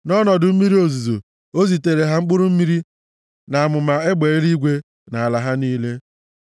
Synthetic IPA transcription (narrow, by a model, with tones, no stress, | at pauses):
nɔ˦nɔ˨dʊ˨m̩˦mi˦ɾi˦o˨zu˨zo̰˨ | o˦zi˨te˨ɾe˨ɦa˦ŋ͡m̩˦k͡pʊ˦ɾʊ˦m̩˦mi˦ɾi˦ | na˨a˨mʊ˨ma˨e˦ɡ͡be˨e˦ɾi˦ɡʷe˦ | na˨a˨la˨ɦa˦niː˦le˦